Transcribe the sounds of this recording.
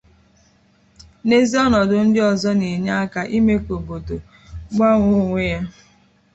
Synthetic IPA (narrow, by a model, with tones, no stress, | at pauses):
ne˦zi˦ɔ˦nɔ˨dʊ˨n̩˦dɪ˦ɔ˨zɔ˦ni˨ɲa˦a˦ka˨ʔi˦me˦kʷo˨bo˨do˨ | ɡ͡ba˦ŋʷʊ˦ŋʷe˦ja˦